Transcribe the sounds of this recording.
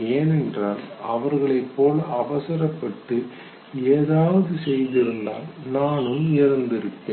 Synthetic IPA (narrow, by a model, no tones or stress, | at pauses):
eːnɛndraːnɐʋɐɾɣɐɭɐɪpːoːlɐʋɐsɐɾɐpːɐʈːɯ | eːðaːʋɐðɯsɛjðɪɾɯnd̪a̰ːlnaːnɯmɐɾɐnd̪ɪɾɯpːeːn